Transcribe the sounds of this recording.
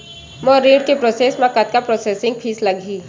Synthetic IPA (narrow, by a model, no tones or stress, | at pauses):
moɾeːɖkepɾoːseːsmãkat̪̚kapɾoːseːsɪ̃ŋɡ̚pʰiːslɐɡʱiː